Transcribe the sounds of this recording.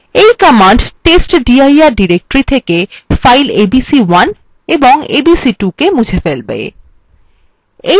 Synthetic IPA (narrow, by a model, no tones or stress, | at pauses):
ejkɔmaɳɖʈesʈɖiajaɾɖiɾek̚ʈɾit̪ʰekefajlebisiwan | eboŋebisiʈukemud͡ʑʱʰefelbḛḛ | e